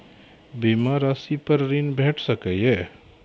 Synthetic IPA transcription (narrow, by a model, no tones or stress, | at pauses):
bimaɾasipəɾɾinbʱeːʈʰsəkəje